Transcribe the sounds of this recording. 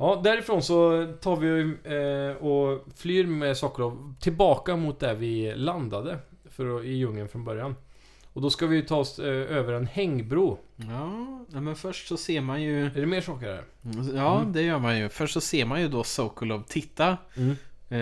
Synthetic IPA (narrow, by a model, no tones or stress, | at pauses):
jɑːd̪æɾɪfɾoːnsɔt̪ʰɑːɾvɪ | ɔflyːɾmɛsɑːkəlɾɔvt̪ʰɪlbɑːkamʊt̪̚d̪ɛvɪland̪ad̪ə | fœɾɪjɵŋːənfɾɔnbœɾjan | ɔd̪ɔskavɪjɵt̪ʰɑːɔsøːvəɾɛnhɛŋːbɾuːɑːnɛmɛnfœʂʈsɔseːɾmanjɵɛɖɛmeːʂɑːkəɾhæ̰ɾ | jɑːd̪ɛjœːɾmanjɵfœʂʈːsɔseːɾmanjɵd̪ɔsoʊkəlɔvt̪ʰɪt̪ːaː